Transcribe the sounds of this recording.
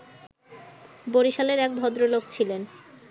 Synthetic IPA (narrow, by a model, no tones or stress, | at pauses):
boɾiʃaleɾɛk̚bʱɔd̪ɾolokt͡ɕʰilen